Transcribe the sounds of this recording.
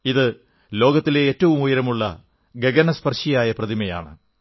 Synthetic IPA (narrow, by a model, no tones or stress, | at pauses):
iðɨ | lo̞ːɡɐt̪ːile̞ːtːɐʋumujɐɾɐmuɭːɐ̰ | ɡeɡɐnɐspɐrʂijaːjɐprɐðimɐja̰ːɳɨ